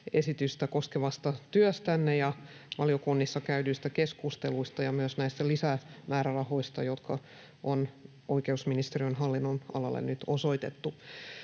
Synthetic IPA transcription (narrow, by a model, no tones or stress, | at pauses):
esit̪yst̪ækoskeʋɑst̪ɑt̪yœst̪ænːejɑ | ʋɑlijokunːisːɑkæydyist̪ækeskust̪eluist̪ɑjɑmyøsnæist̪ælisæmæːɾærɑho̞ist̪ɑjot̪kʰɑ | ʔon | oikeusminist̪eriønɦɑlːinːonɑ̰lɑlːḛnnyt̪osoit̪et̪ːu